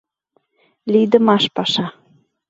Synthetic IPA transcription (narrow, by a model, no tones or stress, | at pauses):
lid̪əmɑʃpɑʃɑ